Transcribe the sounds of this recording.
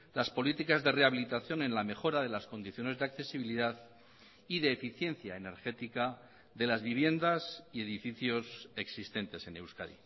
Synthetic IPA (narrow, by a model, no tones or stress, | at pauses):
laspo̞lit̪ikazðe̞re̞aβilit̪aθjo̞nẽ̞nlame̞xo̞ɾaðe̞lasko̞nd̪iθjo̞ne̞zðeakθe̞siβ̞iliðað | iðe̞ːfiθje̞nθjae̞ne̞ɾxe̞t̪ika | ðe̞lazβiβ̞je̞nd̪asie̞ðifiθjo̞se̞ksist̪e̞nt̪e̞se̞ne̞wska̰ðḭ